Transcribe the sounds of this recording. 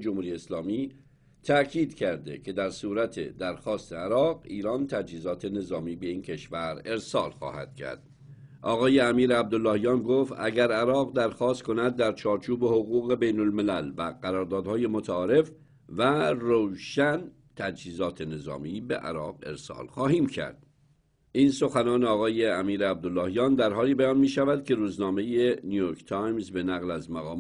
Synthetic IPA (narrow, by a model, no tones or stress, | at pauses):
d͡ʒomhuːɾijeslɒːmiː | t̪ʰækʰiːd̪̥cʰæɾd̪e̞cʰe̞d̪æɾsuːɾæt̪ʰḛd̪æɾxɒːst̪e̞æɾɒːɢɡiːɾɒnt̪ʰæd͡ʒhiːzɒːt̪ʰe̞ne̞zɒːmiːbe̞iːncʰe̞ʃvæɾe̞ɾsɒːlxɒ̰ːhæ̰d̪̥̚cʰæ̰ɾd̪̥ | ʔɒːɣɒːjeæmiːɾeæb̚d̪olːɒːhijɒːnɡoft̪ʔæɡæɾæɾɒːʁɢd̪æɾxɒːst̪kʰo̞næd̪ːæɾt͡ʃʰɒːɾt͡ʃʰuːbe̞ho̞ɣuːɣe̞bejno̞lme̞lælvæ̰ɡ̥æɾɒːɾd̪ɒːd̪hɒːje̞mot̪ʰæɒːɾe̞f | værowʃæn | t̪ʰæd͡ʒhiːzɒːt̪ʰe̞ne̞zɒ̰ːmiːbḛʔæ̰ɾɒːɡe̞̰ɾsɒ̰ːlxɒːhiːmcʰæ̰ɾd̪̥ | ʔiːnso̞xænɒːneɒːɣɒːje̞æmiːɾeæb̚d̪olːɒːhijɒːnd̪æɾɦɒːliːbæjɒːnmiːʃævæd̪̥̚kʲʰe̞ɾuːznɒːme̞jenijoːɾkʰt̪ʰɑjmzbe̞næɣlæzmæɣɒː